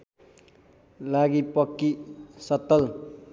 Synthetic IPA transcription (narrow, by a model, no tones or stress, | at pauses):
laɡipʌkːisʌt̪ːʌl